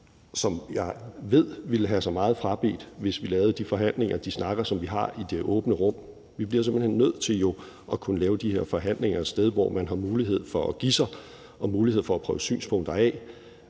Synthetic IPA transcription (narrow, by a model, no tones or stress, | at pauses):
sɒ̽mjɑ̈ɪʋe̝ð̞̰ˠʋiləɦæsɒ̈ɪmɑ̈ːð̞̩ˠfʁɑ̈b̥e̝̰ːd̥ʋe̝sʋilɛːʊð̩ˠd̥ifɒ̽ɦæn̰le̝ŋɐd̥isnɑ̈ɡ̥ɐsɒ̽mʋiɦɑ̈id̥e̝ʔɔ̽ːb̥nəʁɔ̽m̰ | ʋib̥liɐse̝mb̥l̩henːøð̞̰ˠt͡sʰe̝ljo̝ | ʔɒ̽kʰunəlɛːʊd̥ihe̝ɐ̰fɒ̽ɦæn̰le̝ŋɐsd̥eð̞ˠʋɒ̰ːmænɦɑ̈muːliɦe̝ð̞̰ˠfɒ̽ɒɡ̥isɑɪ | ʔɒ̽muːlihe̝ð̞̰ˠfɒ̽ːpʰʁœːʊəsy̰ːnspʰɔ̽ŋ̰d̥ɐɛː